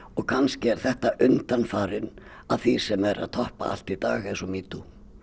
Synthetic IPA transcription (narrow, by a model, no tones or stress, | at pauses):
ɔɣkʰanscɪɛɾ̥θɛht̪aʔʏnt̪anfaːɾɪn | aðθisɛmɛɾʔa̰ðt̪ʰɔhpa̰a̰l̥t̪it̪aːɣɛnsɔmiːt̪u